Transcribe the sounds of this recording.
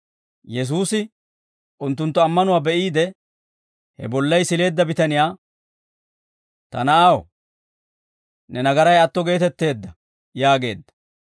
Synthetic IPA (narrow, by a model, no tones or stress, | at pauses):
jɛs̬uːsɪ | ʔʊnt̪ːʊnt̪ːɔɐmːɐnʊwaːbɛʔiːd̪ɛ | hɛ̰bɔlːɐjsɪle̞ːd̪ːɐbɪt̪ɐnɪjaː | t̪ɐ̰nɐɐw | nɛnɐɡɐɾɐjɐt̪ːɔɡe̞ːt̪ɛt̪ːe̞ːd̪ːɐ | jaːɡe̞̰ːd̪ːɐ̥